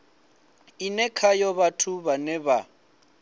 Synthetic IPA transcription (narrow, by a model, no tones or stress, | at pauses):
inɛkʰajɔβatʰuβanɛβa